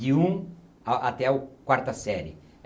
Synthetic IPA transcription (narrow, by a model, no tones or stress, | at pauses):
iũ | aʔat̪ɛukwaɾt̪ɐsɛɾɪ̰